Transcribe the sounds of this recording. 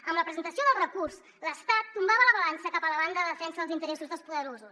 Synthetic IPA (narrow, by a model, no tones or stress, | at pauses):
əmləpɾəzənt̪əsioðəlˠrəkurs | ləst̪at̪ːumbaβələβəlansəkapələβand̪əððəfɛnsəðəlˠzint̪əɾɛsuzðəlspuðəɾozus